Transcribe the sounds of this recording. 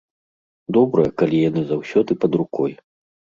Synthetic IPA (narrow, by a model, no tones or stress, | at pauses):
d̪ɔbɾɐjɐkalʲijanɨzawsʲɔd̪ɨpɐd̪ɾukɔj